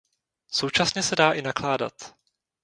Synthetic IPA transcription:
so̞wt͡ʃasɲɛsɛdaːʔɪnaklaːda̰t̪

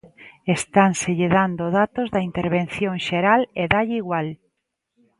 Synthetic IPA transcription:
est̪aŋseʎeðand̪oðat̪ozðɐint̪eɾβen̟θjoŋʃeɾaleðaʎɪiɣwal

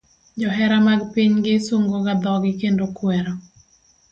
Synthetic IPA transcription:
d͡ʒɔɦɛɾamaɡpiɲɡɪsoŋɡoɡad̪ɔɡɪkendokwɛɾɔ

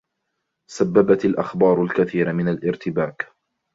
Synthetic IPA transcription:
sabːabat̪alʔaxbɑːɾˤʊlkaθiːɾamɪnalʔɪɾt̪ɪbaːk

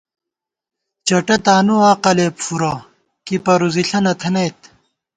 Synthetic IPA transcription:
t͡ɕɐʈɐt̪aːnuaːqɐleːpfuɾaː | kipɐɾuziɬɐnɐt̪ʰɐnejt̪

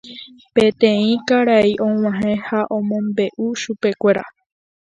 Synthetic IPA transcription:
pẽ̞t̪ẽĩkaɾaiʔõ̞w̃ãɦẽhaʔõ̞mõ̞mbe̞ʔuʃupe̞kʷe̞ɾa̰

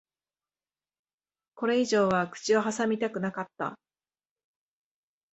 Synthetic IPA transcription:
ko̞ɾe̞iʑo̞ːβakɯ̟̥t͡ɕio̞ɦasamʲit̪akɯ̟nakat̪ːa̰

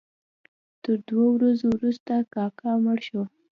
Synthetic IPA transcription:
t̪əɾd̪wowɾazowɾust̪akɑkɑməɽʃo

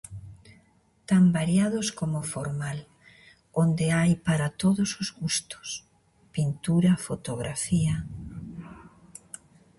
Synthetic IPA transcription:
t̪ambaɾjaðoskomofoɾmal | ond̪eajpaɾat̪oðʊsozɣust̪ʊ̥s | pint̪uɾɐfot̪oɣɾafia

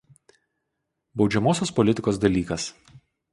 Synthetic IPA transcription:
bɒʊd͡ʒʲɛmoːsʲoːspɔlʲɪt̪ʲɪkoːs̬d̪ɐlʲiːkɐs

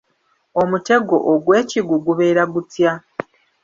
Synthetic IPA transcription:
omute̞ɡo̞ʔoɡwe̞ːciɡuɡuβe̞ːɾaɡutja

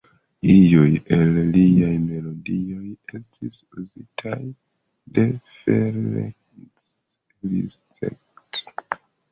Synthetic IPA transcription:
ijojelliajme̞lo̞dio̞je̞stʰisuzitʰaj | de̞feɾḛ | s | lḭstḛkt

